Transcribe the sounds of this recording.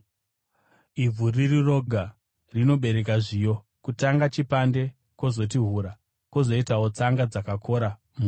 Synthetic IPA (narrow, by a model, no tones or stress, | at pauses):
ib͡vuririro̞ɡʱa | rino̞ɓe̞ɾe̞k̬aʐijo̞ | kutaŋɡat͡ʃipande̞ | ko̞zo̞t̬iɦuɾa | kozo̞itawot͡saŋɡad͡zakakʰo̞ɾa | mu